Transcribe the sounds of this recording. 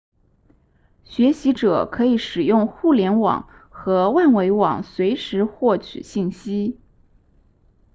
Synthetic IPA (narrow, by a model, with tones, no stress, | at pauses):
ɕɥɛ˧˥ɕi˧˥ʈ͡ʂɤ˨˩kʰɤ˧˥i˧˩˦ʂɻ̩˨˩jʊ˥˧ŋxu˥˩ljɛ˧˥nwɑ̰˨˩˦ŋ | xɤ˧˥wa˥˩nwe˧˥ɪwɑ̰˨˩ŋswe˧˥ɪʂɻ̩˧˥xwɔ˥˩t͡ɕʰy̰˨˩ɕi˥˩nɕi˥